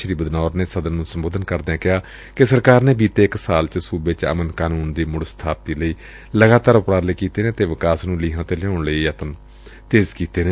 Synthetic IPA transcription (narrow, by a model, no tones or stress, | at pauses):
ʃəɾiːbəd̪nɔːɾneːsəd̪ənːũːsəmboːd̪ənkəɾd̪ãːkɪɦaː | kɪsəɾkaːɾneːbiːt̪eːɪksaːlt͡ʃsuːbeːt͡ʃə̰mənkaːnuːnd̪iːmʊɽst̪ʰaːp̚t̪iːləiː | ləɡaːt̪aːɾʊpɾaːɾləiːkiːt̪eːnẽːt̪eːʋɪkaːsnũːliːɦãːt̪eːlɛoːɳləiːət̪ən | t̪eːzkiːt̪eːnẽː